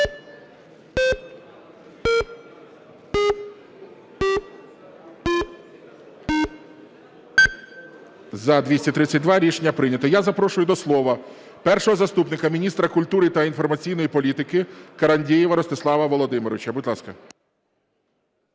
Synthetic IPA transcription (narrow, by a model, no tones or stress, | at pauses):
zɐd̪ʲʋʲisʲɐt̪ɾɪt͡sʲːɐt̚ʲd̪ʋɑɾʲiʃenʲːɐpɾɪnʲɐt̪ɔjazɐpɾɔʃʊjʊd̪ɔslˠɔʋɐ | pɛrʃɔɦɔzɐst̪upnɪkɐmʲinʲist̪ɾɐkʊlʲt̪uɾɪt̪ɐinfɔrmɐt͡sʲijnɔjipɔlʲit̪ɪkɪkɐɾɐnʲdʲijiʋɐɾɔst̪ɪslˠɑʋɐʋɔlˠɔd̪ɪmɪɾɔʋɪt͡ʃɐbudʲlˠɑskɐ